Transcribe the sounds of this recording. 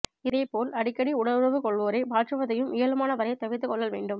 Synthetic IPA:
ɪðɐɪpːoːlɐɽɪkːɐɽiʊɽɐɾɾɐʋɯkɔɭʋoːɾɐɪbaːrɐʋɐðɐjɯmʔɪjɐlɯmaːnɐʋɐɾɐjt̪ːɐʋɪt̪ːɯkɔɭːɐʋeːɳɖɯm

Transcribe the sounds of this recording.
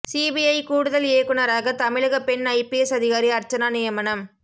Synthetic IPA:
siːbiɐɪkuːɽʊðɐleːkɯɳɐɾaːɣɐt̪ɐmɪɻɐɣɐpɛnɐɪpiɛsɐðɪɣaːɾiɐɾt͡ʃɐnaːnɪjɐmɐnɐm

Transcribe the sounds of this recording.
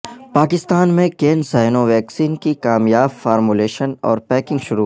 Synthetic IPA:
paːkɪst̪aːnmẽkeːnsaːɪnoʋɛːksiːnkikaːmjaːbfaːɾmuleːʃənɔ̰ːɾpɛːkɪ̃ŋɡʃʊɾu

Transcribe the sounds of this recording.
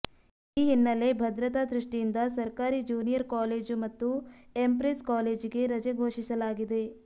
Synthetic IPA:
iːɦinːɐlebʱɐd̪ɾɐt̪aːd̪ɾiʂʈijind̪ɐsɐɾkaːɾid͡ʒuːnijɐɾkaːleːd͡ʒmɐt̪ːuempɾeskaːleːd͡ʒkeɾɐd͡ʒɐɡʱoːʂisɐlaːɡid̪eː

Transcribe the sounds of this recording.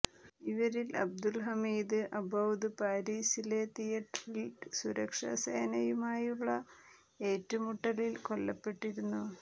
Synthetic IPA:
iʋɐɾilɐ̰b̚d̪ulɦɐmiːd̪ɨʔɐbʱɐwd̪ɨpaːɾiːsile̞t̪ijɐʈrilsuɾɐkʂɐ̰sḛːnɐjumaːjuɭːɐ | e̞ːtːɐmuʈːɐlilko̞lːɐpːe̞ʈːiɾunːu

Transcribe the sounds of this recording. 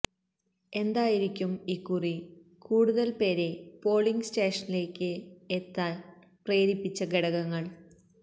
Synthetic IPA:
e̞nd̪aːjiɾikʲːumikːuri | kuːɽuðɐlpe̞ːɾe̞po̞ːɭiŋɡsteːʂɐnile̞ːkʲːɨet̪ːaːl | preːɾipːit͡ɕːɐɡeɽɐɣɐŋːɐɭ

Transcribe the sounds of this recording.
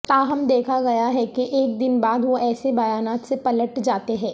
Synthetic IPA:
t̪aːɦɐmd̪eːkʰaɡɐjaɦɛkeʔeːk̚d̪ɪnbaːd̪ʋoʔɛːsebɐjaːnaːt̪sepɐləʈd͡ʒaːt̪eɦɛ̃ː

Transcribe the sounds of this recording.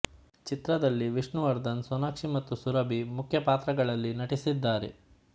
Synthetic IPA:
t͡ʃit̪ɾɐd̪ɐlːiʋiʂɳuʋɐɾd̪ɐnsɔnaːkʂimɐt̪ːusuɾɐbʱimukʰjɐpaːt̪ɾɐɡɐɭɐlːinɐʈisid̪ːaːɾḛ

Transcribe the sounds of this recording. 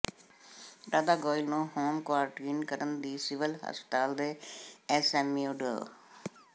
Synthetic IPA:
ɾaːd̪aːɡɔːɪlnũːhoːmkʊwaːɾʈiːnkəɾənd̪iːsɪʋəlɦə̰spə̥t̪aːld̪eːɛsɛːmiːʊɖə̰ː

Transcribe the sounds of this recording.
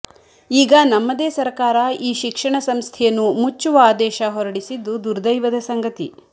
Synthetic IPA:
iːɡɐnɐmːɐd̪eːsɐɾkaːɾɐiːʃikʂɐɳɐsɐmst̪ʰɛjɐnːumut͡ʃːuʋɐaːd̪ɛːʃɐɦɔɾɐɽisid̪ːud̪uɾd̪ɐjʋɐd̪ɐsɐŋɡɐt̪ḭ

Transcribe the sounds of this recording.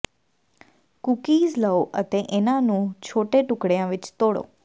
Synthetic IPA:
kukiːd͡ʒləoʔət̪eʔenãnũt͡ʃʰoʈeʈʊkɽjãʋɪt͡ʃt̪oɽo̰

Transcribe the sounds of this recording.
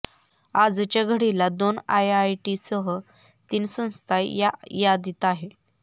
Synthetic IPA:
ad͡zt͡ɕaɡʱəɽilad̪onajajʈisəɦə | t̪iːnsə̃w̃st̪ʰaajad̪it̪aɦe

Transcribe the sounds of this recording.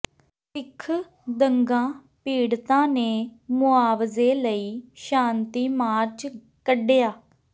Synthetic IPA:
ɪkʰː | d̪əŋɡãː | piːɽt̪ãːneːmʊaːʋzeːləiːʃãːnt̪iːmaːɾt͡ʃ | kəɖejaː

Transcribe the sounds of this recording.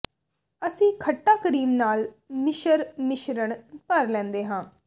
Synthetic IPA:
əsĩːkʰəʈːaːkəɾiːmnaːlmɪʃəɾmɪʃɾəɳpəɾlɛ̃ːnd̪eːɦãː

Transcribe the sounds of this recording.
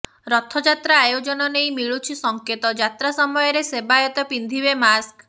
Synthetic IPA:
ɾɔt̪ʰɔd͡ʒat̪ɾaːjod͡ʒɔnɔnejmiɭut͡ʃʰisɔŋket̪ɔd͡ʒat̪ɾasɔmɔjɔɾesebajɔt̪ɔpind̪ʱibemask

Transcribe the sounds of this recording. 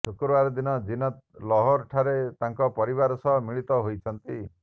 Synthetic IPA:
sʰokɾaɾɔd̪inɔd͡ʒinɔt̪̚lɔɦɔɾʈʰaɾet̪aŋkɔpɔɾibaɾɔsɔɦɔmiɭit̪ɔɦojt͡ʃʰɔnt̪i

